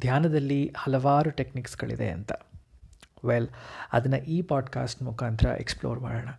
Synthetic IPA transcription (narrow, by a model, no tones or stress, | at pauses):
d̪ʱjaːnɐd̪ɐlːihɐlɐʋaːɾuʈe̞kniksɡɐ̰ɭḭd̪e̞̰ɐ̰nt̪ɐ | ʋelɐ̰d̪ɐnːɐʔiːpaːɖka̰ːsʈmukʰaːnt̪ʰɐɾɐ̰ʔḛksplo̰ːɾma̰ːɽoːɳɐ